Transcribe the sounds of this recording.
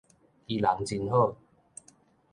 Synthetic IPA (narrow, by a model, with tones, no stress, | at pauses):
iː˧˩laː˨˩ŋt͡si˧nhoː˥˩